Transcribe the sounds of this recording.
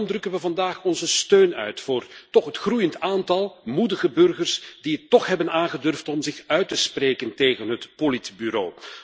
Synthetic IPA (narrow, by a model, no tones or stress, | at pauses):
mdrɵkənʋəvɑndaːχɔnzəstøːnœ̰ɥtfʊːrtɔχɦətxrujəntaːntɑlˠmudəɣəbɵrɣərsdiətːɔχɦɛbənaːnɣədɵrftɔmzɪxœɥtəspreːkənteːɣənɦətpolitbyɾoː